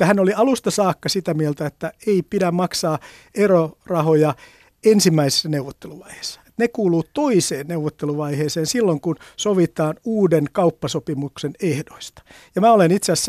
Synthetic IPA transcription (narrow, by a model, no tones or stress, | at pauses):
t̪ːæhænoliɑlust̪ɑsɑːkːɑsit̪æmielt̪æet̪ːæeipidæmmɑksɑːerorɑhojɑ | ensimːæisi̥sːɑneuʋot̪ːeluʋɑihe̥sːɑ̥e̥t̪nekuːluːt̪oiseːnneuʋot̪ːeluʋɑiheːseːnsilːoŋkunsoʋit̪ɑːnuːdenkɑupːɑsopimuksenehdoist̪ɑ̥ | jɑmæːolenit̪seæsː